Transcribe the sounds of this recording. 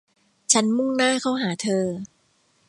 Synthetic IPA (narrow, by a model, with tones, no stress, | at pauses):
t͡ɕʰa˦˥nmu˥˩ŋnaː˥˩kʰa˦˥˩wɦaː˩˦t̪ʰɤː˧